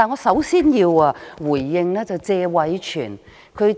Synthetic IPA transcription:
aː˨nŋɔː˧sɐ˨˥wsiː˥njiː˧waː˧wuː˨˩jːɪ˨ŋlɛː˥t͡sɐ˨wt͡sɛː˧wɐ˨˥jt͡ʃʰy̰ː˨˩n | kʰɵ˨˧ɥ

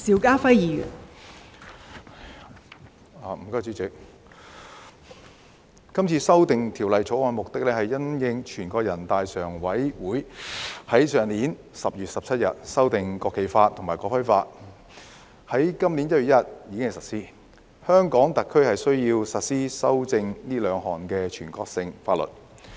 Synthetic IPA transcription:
siː˨˥wkaː˥fɐ˥jjiː˨jy̰˨˩n | aː˨m̩˨˩kɔː˥jt͡siː˨˥t͡sɪ˨k̚ | kɐ˥mt͡sʰiː˧sɐ˥wt̪ɪ˨ŋt̪ʰiː˨˩wlɐ˨jt͡sʰo˨˥wɔː˧nmʊ˨k̚t̪ɪ˥k̚lɛː˥hɐ˨jːɐ˥njɪ˧ŋt͡ʃʰyː˨˩nkʷɔː˧k̚jɐ˨˩nt̪aː˨˧jsœː˨˩ŋwɐ˨˥jwuː˨˥jhɐ˨˥jsœː˨ŋliː˨˥n | sɐ˨p̚jyː˨t̚sɐ˨p̚t͡sʰɐ˥t̚jɐ̰˨t̚sɐ˥wt̪ɪ˨ŋkɔː˧kʰːe˨˩jfaː˧t̪ʰŋmaː˨˩jkɔː˧˥fɐ˥jfaː˧t̚ | hɐ˨˥jkɐ˥mliː˨˥njɐ˥t̚ɥy˨˩jɐ˥t̚jiː˨˧kɪ˥ŋhsɐ˨˩tsiː˥ | hœː˥ŋkɔː˨˥ŋt̪ɐ˨t̚kʰɵ˥ɥhɐ˨jsɵ˥ɥjiː˧wsɐ˨t̚siː˥sɐ˥wt͡sɪ˧ŋniː˥lœː˨˧ŋɦɔː˨˩nkɛː˧t͡ʃʰyː˨˩nkɔː˧k̚sɪ˧ŋfaː˧t̚lɵ̰˨˩t̚

